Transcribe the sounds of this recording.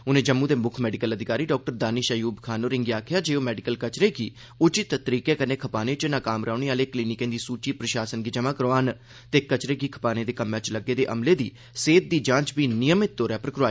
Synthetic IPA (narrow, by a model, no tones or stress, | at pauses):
ʊnẽːd͡ʒəmːũːd̪eːmʊkʰmɛːɖɪkələd̪ɪkaːɾiːɖɔːk̚ʈəɾd̪aːniʃəjuːbkʰaːnoːɾɪŋɡiaːkʰjaːd͡ʒeːoːmɛːɖɪkəlkət͡ʃɾeːɡiː | ʊt͡ʃɪt̪t̪əɾiːkeːkəneːkʰəpaːneːt͡ʃənãːkaːmɾaːɳeːaːleːkliːnɪkẽːd̪iːsuːt͡ʃiːpɾəʃaːsənɡiːd͡ʒəmãːkəɾʋaːn | t̪eːkət͡ʃɾeːɡiːkʰə̥paːnẽːd̪eːkəmːẽːt͡ʃləɡːeːd̪eːʔəmleːd̪iː | seːt̪̚d̪iːd͡ʒãːt͡ʃbiːnɪjəmɪt̪̚ːoːɾjaːpɾəkɾaː